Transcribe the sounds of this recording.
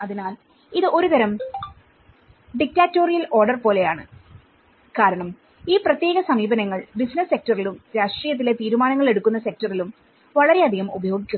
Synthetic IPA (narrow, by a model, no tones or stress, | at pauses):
ɐðinaːl | iðɨʔoɾut̪ɐɾɐm | ɖik̚taːtːo̞ːrijɐlo̞ːrɖɐrpo̞ːle̞jaːɳɨ | kaːɾɐɳɐm | iːprɐt̪je̞ːɣɐsɐmiːbɐnɐŋːɐɭbisnɐsːe̞k̚tɐrilumɾaːʂʈriːjɐt̪̬ːile̞t̪iːɾumaːnɐŋːɐɭe̞ɽukːun̪ːɐse̞k̚tɐrilum | ʋɐɭɐɾe̞ɐd̪ʱiɣɐmubɐjo̞ːɡikʲːu